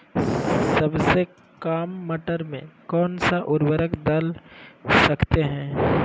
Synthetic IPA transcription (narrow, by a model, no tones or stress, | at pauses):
sɐbse | kaːmːɐʈəɾmḛ̃kɔːnsaʔʊɾwəɾəkd̪ɐl | sɐkt̪eɦɛ̃ː